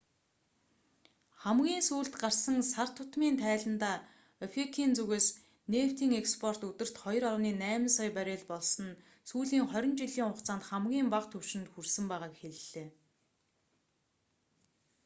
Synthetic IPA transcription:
χæmɡʲiːnsuːɮt̪ɢarsə̆ŋsar̥t̪ʰʊt̪miːnt̪ʰæːɮə̆nt̪aː | efikʰiːnt͡sɵɣeːs | neːw̥t̪ʰiːŋekspʰɔr̥t̪ut̪ɘ̆r̥t̪χɔj̆rɔɮwniːnæːm̆nsɔjpæɾʲeːɮpɔɮsɞ̆n | suːɮiːŋχœɾʲɪ̆nt͡ɕiɮiːŋʊqt͡saːnt̪χæmɡʲiːmpaqt̪ʰɵr̥ʃɪ̆nt̪xursɘ̆mpæːʁaːkxeɮɮeː

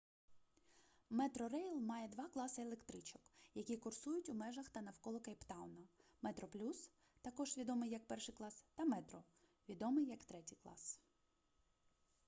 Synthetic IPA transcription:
mɛt̪ɾɔɾɛjlˠmɑjɛd̪ʋɑklˠɑsɪelˠekt̪ɾɪt͡ʃɔkjɐkʲikʊrsujʊtʲʊmɛʒɐxt̪ɐnɐwkɔlˠɔkɐjpt̪ɑwnɐmɛt̪ɾɔplʲus | t̪ɐkɔʒʋʲid̪ɔmɪjɐk̚pɛrʃɪjklˠɑst̪ɐmɛt̪ɾɔ | ʋʲid̪ɔmɪjːɐkt̪ɾɛtʲijklˠɑ̰s

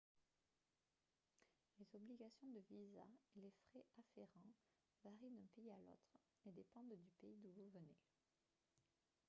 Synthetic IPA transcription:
lezɔbliɡasjɔ̃d̪əviza̰elefχɛʔafeʁɑ̃ | vaʁid̪ɛ̃peialo̰t̪χ | ed̪epɑ̃d̪d̪ypeid̪uvuvənḛ

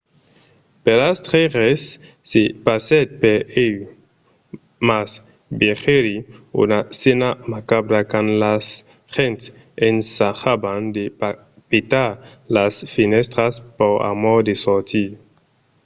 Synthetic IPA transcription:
pelast̪ʁeʁesː | epaset̪̚peej | mas | beχeɾiṵnasenamakabɾakanlas | χent̪ | ensaχaband̪e | pet̪alasfinɛst̪ɾaspoʁa̰mɔʁd̪esɔʁt̪ʰi

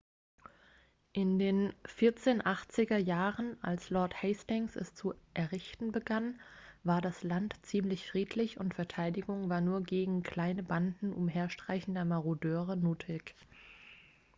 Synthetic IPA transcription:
ʔɪndeːnfɪɐt͡seːnʔaχt͡sɪɡɐjaːʁənʔa̰lslɔɐthɛɪstɪŋsɛ̰st͡suʔɛɐʁɪçtn̩bəɡanvaːɐdaslantt͡siːmlɪçfʁ̥iːtʰlɪçʊntfɛɐtʰaɪdɪɡʊŋvaːɐnuːɐɡeːɡŋ̩kʰl̥aɪnəbandn̩ʔʊ̰mɦeːɐʃtʁ̥aɪçn̩dɐmaʁudøːʁənuːtʰɪk

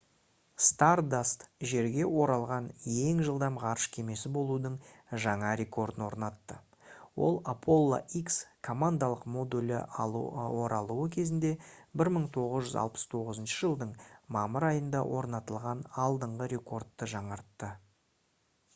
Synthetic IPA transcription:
st̪ard̪ast̪ʒe̞ɾɡʲe̞wo̞ɾɑlˠʁɑnjeŋʒəlˠd̪ɑmʁɑɾəʃkʲʰe̞me̞sɪbo̞lˠud̪əɴʒɑɴɑɾʲe̞ko̞rd̪ənwo̞̰ɾnɑt̪ːə | wo̞̰lˠapʰo̞lˠːa̰ʔikskʰo̞mand̪alˠəqmo̞d̪ulʲɪ | woɾɑlˠuəkʲʰe̞zɪnd̪e̞bɪɾməɴt̪ʰo̞ʁəzʒʏzɑ̰lˠpə̥st̪ʰo̞ʁəzənʃəʒəlˠd̪əɴmɑməɾɑjənd̪ɑwʔo̞ɾnɑt̪əlˠʁɑnɑlˠd̪əɴʁəɾe̞ko̞rd̪ːəʒɑɴɑɾt̪ːə

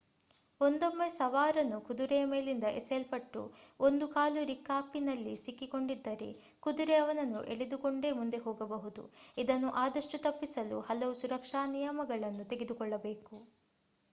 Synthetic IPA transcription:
o̞nd̪o̞mːesɐʋaːɾɐnːukud̪uɾejɐme̞ːlind̪ɐʔeselpɐʈːṵond̪ukaːluɾikaːpinɐlːisikːiko̞ɳɖid̪ːɐɾe̞̰ | kud̪uɾeɐʋɐnɐnːuʔe̞ɭed̪uko̞ɳɖe̞ːmund̪e̞ɦoːɡɐbɐɦud̪ṵid̪ɐnːuʔaːd̪ɐʂʈut̪ɐpːisɐlṵhɐlɐʋusuɾɐkʂaːnijɐmɐɡɐɭɐnːut̪e̞ɡed̪ukɔɭːɐbe̞ːku

